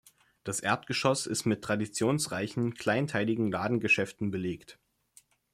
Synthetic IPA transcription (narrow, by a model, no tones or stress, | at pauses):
d̥asʔeːɐtɡ̥əʃɔsɪstmɪtʁ̥adit͡sjoːnsʁaɪçn̩kʰl̥aɪntʰaɪlɪɡŋ̩laːdn̩ɡəʃɛftn̩bəleːkt